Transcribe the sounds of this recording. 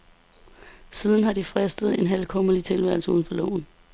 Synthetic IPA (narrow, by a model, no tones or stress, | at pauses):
siːð̞ˠn̩ɦɑ̈d̥ifʁɛsd̥ð̞̩ˠe̝nɦælkʰɔ̽mɐlit͡sʰe̝lʋæɐ̰l̩səṵðˠn̩fɒ̽lɔ̰ːʊ̰n̩